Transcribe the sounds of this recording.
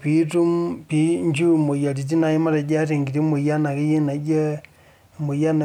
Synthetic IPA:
pi˨˦tu˦mpi˦ɲd͡ʒu˦mo˨ja˨ɾi˨t̬i˦na˨ji˦ma˦ɾa˨d͡ʒa˦te˨ŋɡi˨ɾi˦mu˨ja˦na˨ki˦ji˦na˨d͡ʒe˦˨ | mu˨ja˦na˨

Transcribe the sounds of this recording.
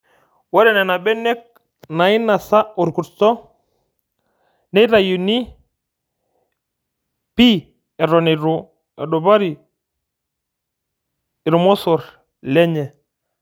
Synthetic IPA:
wa˦ɾɛ˨nɛ˨na˨bɛ˦nɛ˦k̚ | na˨i˦na˨sa˦u˨ɾku˨ɾtɔ˦ | nɛ˦ɾa˨ju˨ni˦ | pi˦ | ɛ˨ɾɔ˨ne˨ɾu˨ | ɛ˨ɗɔ˨ba˦ɾi˨ | i˨ɾu˨mɔ˦sɔ˨ɾ | lɛ˦ɲɛ˨

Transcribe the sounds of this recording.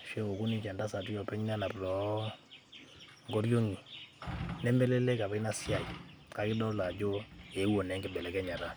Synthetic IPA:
ʃɛ˦ŋo˨ku˦ni˦t͡ʃa˨nda˦sa˨ti˦jɔ˨pɛ˦ɲ˦na˦na˨pɾɔ˨˦ | ŋɡo˦ɾjo˦ŋi˨ | nɛ˦mbɛ˦le˦lɛ˦ka˨bɛ˦na˦si˦a˨j | ka˨˦kɪ˦dɔ˦lla˨d͡ʒo˦e˨˦wo˨nɛ˨˦ŋɡɪ˦bɛ˨lɛ˨kɛ˦ɲa˨ɾa˨

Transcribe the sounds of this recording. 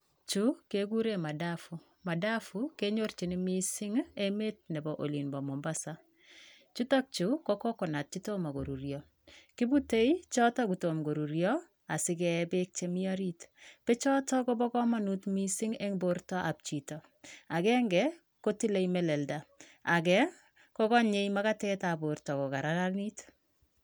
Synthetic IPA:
t͡ʃu˦ke˨ɡu˦ɾe˦ma˨da˦fu˨ | ma˨da˦fu˦ke˦ɲo˦ɾt͡ʃi˨ni˦mi˦sɪ˦ŋe˦me˦t̚nɛ˨bɔ˨ʔo˨li˨nbɔ˨mɔ˨mba˦sa˦ | t͡ʃu˦tɔ˦k̚t͡ʃu˨˦kɔ˦kɔ˦kɔ˨na˨t̚t͡ʃi˦to˦ma˨ɡo˨ɾu˨ɾjɔ˨ | ki˦bu˦te˦i˦t͡ʃɔ˦ta˦ɡu˨to˨mɡo˨ɾu˨ɾjɔ˦ | a˨sɪ˨kɛbe˦k̚t͡ʃe˦mi˦a˦ɾitpe˦t͡ʃɔ˦tɔ˦ko˦bɔ˦kɔ˦ma˦nu˦tmi˦sɪ˦ŋe˦ŋboɾtɔ˦ʔa˨p̚t͡ʃi˨tɔ˨ | a˨kɛ˦ŋɡɛ˦ | ko˦ti˦le˨jmɛ˨lɛ˨lda˨ | a˨kɛ˦ | kɔ˦kɔ˦ɲe˦ima˦ka˦tɛta˨bo˨ɾtɔ˨ko˨ka˨ɾa˦la˦lni˦t

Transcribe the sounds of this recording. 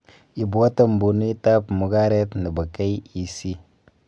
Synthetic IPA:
i˨ba˦ta˦m˨bu˨nu˦i˦ta˦pmu˨ɡa˦ɾe˦tnə˨ba˨ka˦ji˨si˦

